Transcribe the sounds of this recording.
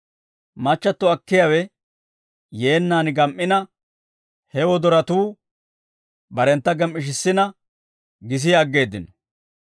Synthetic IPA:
mɐt͡ʃːɐt̪ːɔɐkːɪjawɛ | je̞ːnːaːnɡɐmʔɪnɐ | hɛwɔd̪ɔɾɐt̪uː | bɐɾɛnt̪ːɐɡɐmːɪʃ̬ɪsːɪnɐ | ɡɪs̬ɪjɐɡːe̞ːd̪ːɪnɔ

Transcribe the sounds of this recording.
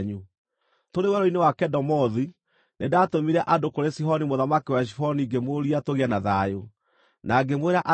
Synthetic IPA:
ɲu | toɾewɛɾɔinewakɛdɔmɔði | nʔedaːtomiɾɛʔadokoɾesiɦɔnimoðamakiwaʃ̬ihɔniɡemoɾiatoɣianaðajo | naɡemweɾaʔa

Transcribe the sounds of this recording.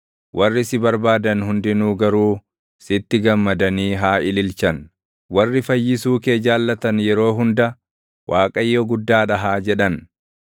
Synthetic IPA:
wʔɐrːɪsɪbɐɾbaːd̪ɐnhʊnd̪ɪnuːɡɐɾuː | sɪt̪ːɪɡɐmːɐd̪ɐniːɦaːʔɪlɪlt͡ʃɐn | wɐrːɪfɐjːɪs̬uːkeːd͡ʒaːlːɐt̪ɐnjɛɾo̞ːɦʊnd̪ɐ | wʔaːkʼɐjːɔɡʊd̪ːaːᶑɐɦaːd͡ʒɛᶑɐn

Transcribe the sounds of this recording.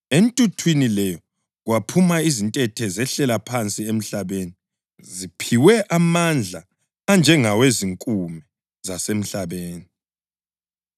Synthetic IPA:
entʼutʰwinilɛjɔ | ɣwapʰumaizintʼɛtʰɛzɛɬɛlapʰant͡sʼiem̩ɬaβeːni | zipʰiwɛʔamand͡ɮʱa | and͡ʒʱɛŋaweziŋkʼumɛ | zasem̩ɬaβeːni

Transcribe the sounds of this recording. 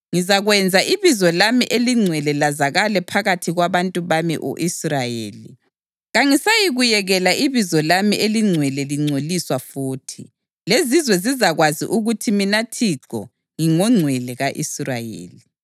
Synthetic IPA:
ŋizaɣwɛnd͡zʱaʔiβizɔlamiʔeliŋ͡ǀʱwɛlɛlazaɣalɛpʰaɣatʰiɣwaβantʼuβamḭʔo̰ʔisrajḛːlḭ | ɣaŋisajiɣujɛɣɛlaʔiβizɔlamiʔeliŋ͡ǀʱwɛlɛliŋ͡ǀʱoliswafuːtʰi | lezizwɛzizaɣwazḭʔuɣutʰiminatʰiǁɔ̰ | ŋiŋɔŋ͡ǀʱwɛlɛɣaʔisrajḛːli

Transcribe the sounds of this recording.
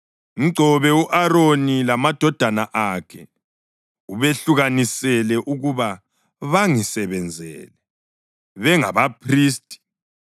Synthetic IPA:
ŋiɡ͡ǀʱɔβɛuʔaɾonilamad̥ʱɔd̥ʱanaʔakʰɛ | uβeɬuɣanisɛlɛʔuɣuβa | βaŋisɛβɛnd͡zʱɛ̰ːlɛ | βɛŋa̰βapʰriːstʼi̥

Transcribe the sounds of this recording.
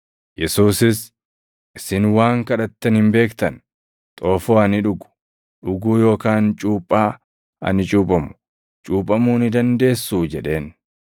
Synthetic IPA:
jɛsuːsɪs | ʔɪsɪnwaːŋkɐᶑɐt̪ːɛnhɪmbe̞ːkt̪ɐn | t̪ʼoːfo̞ːɐnɪᶑʊɡʊ̥ | ᶑʊɡuːjo̞ːkaːnt͡ʃʼuːpʼːaː | ɐ̰nɪt͡ʃʼuːpʼɐmʊ̥ | t͡ʃʼuːpʼɐmuːnɪd̪ɐnd̪e̞ːsːuːd͡ʒɛᶑe̞ːn

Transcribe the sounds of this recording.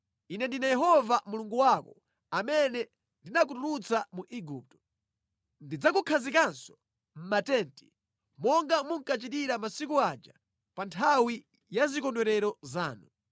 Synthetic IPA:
inɛndinajɛɦɔvamuluŋɡuwakɔ | amɛnɛ | ndinak̬utuɾut͡samuʔiɡuːp̚tɔ̥ | ndid͡zak̬ukʰazikansɔ̥ | m̩matɛnti̥ | mɔŋɡamuŋ̩kat͡ʃitiɾamasikuad͡ʒa | pantʰawi | jazikɔndwɛɾɛɾɔzaːnu

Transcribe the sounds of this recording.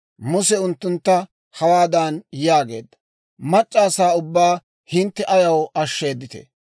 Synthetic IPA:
mʊsɛʊnt̪ːʊnt̪ːɐ | hɐwaːd̪anjaːɡe̞̰ːd̪ːɐ̥ | mɐt͡ʃʼːaːsaːʊbːaː | hɪnt̪ːɛʔɐjɐwɐʃːe̞ːd̪ːɪt̪ḛ

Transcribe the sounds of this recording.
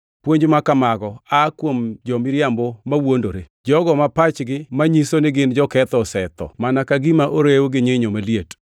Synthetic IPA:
pwoɲd͡ʒmakamaɡɔakwomd͡ʒɔmɪɾjambomawondoɾe | d͡ʒɔɡɔmapat͡ʃɡɪmaɲisonɪɡɪnd͡ʒɔkɛt̪ɔsɛt̪ɔ̰manakaɡɪmaʔoɾewɡɪɲeɲomaliet

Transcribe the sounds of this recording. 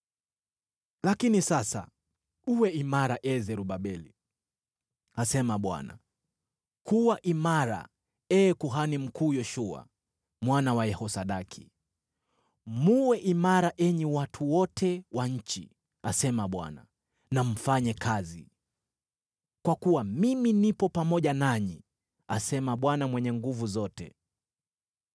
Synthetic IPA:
lakinisasa̰ | uwɛimaɾaʔɛzɛɾuɓaɓɛli | asɛmaɓwa̰na̰ | kuwaʔimaɾa̰ | ɛːkuɦanim̩kʰuːjɔʃua̰ | mwanawajɛhɔsaɗakʰi | muwɛʔimaɾaʔɛɲiwatʰuwɔtʰɛwaɲ̩t͡ʃḭ | asɛmaɓwa̰na | nam̩faɲɛkʰazi | kwakuwamiminipɔpamɔʄanaɲi | asɛmaɓwanamwɛɲɛŋɡuvuzɔtɛ̰

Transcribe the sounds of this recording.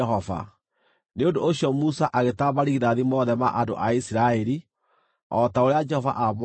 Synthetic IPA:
ɔva̰ | neondoːɕjɔmusaʔaɣetaβaɾiðaðimɔːðɛma̰ʔado̰ʔaisiɾaɛɾi | ɔtaoɾead͡ʒɛhɔva̰ʔamw

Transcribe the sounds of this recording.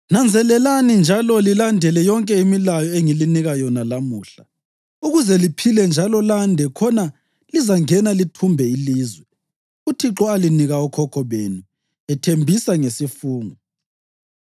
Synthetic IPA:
nand͡zʱɛlɛlanind͡ʒʱalɔlilandʱɛlɛjɔŋkʼɛimilajɔeŋiliniɣajɔnalamuːɬa | uɣuzɛlipʰilɛnd͡ʒʱalɔlandʱɛkʰɔna | lizaŋɛnalitʰumbʱɛiliːzwɛ | utʰiǁɔaliniɣaɔkʰɔkʰɔβeːnu | ɛtʰembʱisaŋesifuːŋɔ

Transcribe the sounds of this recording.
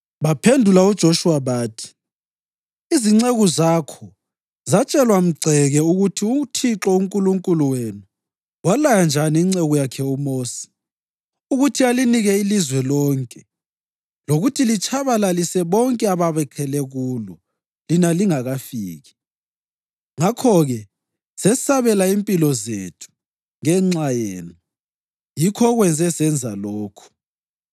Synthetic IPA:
βapʰendʱulaud̥ʒ̥ʱoʃuwaβaːtʰi̥ | iziŋ͡ǀeɣuzakʰɔ | zat͡ʃʼɛlwam̩ɡ͡ǀʱɛɣɛuɣutʰiutʰiǁɔuŋkʼuluŋkʼuluwenu | walajand͡ʒʱaniiŋ͡ǀeɣujakʰɛumoːsi̥ | uɣutʰialiniɣɛilizwɛlɔːŋkʼɛ | loɣutʰilit͡ʃʰʼaβalalisɛβɔŋkʼɛaβaβɛkʰɛlɛɣuːlɔ | linaliŋaɣafiːɣi | ŋakʰɔɣɛ | sɛsaβɛlaimpʼilɔzḛtʰu̥ | ŋɛŋ͡ǁajeːnu | jikʰɔɣwɛnd͡zʱɛsɛnd͡zʱalɔːkʰɔ̥

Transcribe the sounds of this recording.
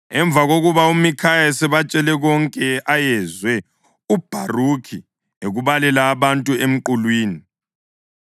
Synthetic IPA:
ɛɱb̪vʱaɣoɣuβaumikʰajaɛsɛβat͡ʃʼɛlɛɣɔŋkʼɛajɛzwɛ | ub̥ʱarukʰi | eɣuβalɛlaːβantʼuem̩ǃulwiːni

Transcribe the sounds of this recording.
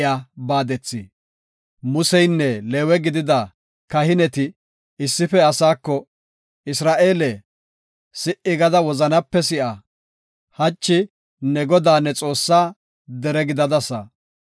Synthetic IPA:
jaːbaːd̪ɛt͡sːɪ̰ | mʊsɛjnːɛleːwɛɡɪd̪ɪd̪ɐ | kɐhɪnɛt̪ɪ | ɪsːɪfɛɐsaːkːɔ | ɪsɾaːʔe̞ːlɛ | sɪʔɪɡɐd̪ɐwɔzɐnɐpːɛs̬ɪʔɐ | hɐt͡ʃːɪ | nɛɡɔd̪aːnːɛt͡sʼo̞ːsːaː | d̪ɛɾɛɡɪd̪ɐd̪ɐsɐ̰

